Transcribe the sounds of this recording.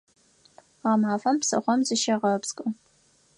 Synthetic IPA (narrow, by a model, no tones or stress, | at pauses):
ʁamaːfɐmpsɐ̰χʷɔmzɨʃɐʁɐpskʼɨ